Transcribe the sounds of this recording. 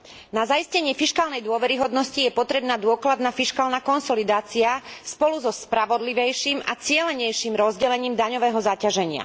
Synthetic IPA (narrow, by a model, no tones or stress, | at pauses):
nazaiscɛɲɪɛfiʃkaːlnɛjd̪ʊɔʋɛɾiɦɔd̪nɔscijɛpɔt̪ɾɛbnaːd̪ʊɔklad̪nafiʃkaːlnaːkɔnsɔlid̪aːt͡siaspɔluzɔspɾaʋɔd̪liʋɛjʃiːmat͡sɪɛlɛɲɛjʃiːmɾɔzɟɛlɛɲiːmd̪aɲɔʋɛːɦɔzacaʒɛɲɪa̰